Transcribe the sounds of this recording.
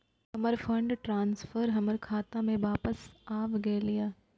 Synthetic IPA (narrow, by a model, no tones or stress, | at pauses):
hɐməɾfʰə̃ɳɖʈɾãːnsfʰəɾɦɐməɾkʰaːt̪ãmẽʋaːpəsaːʋɡɐlɪjaː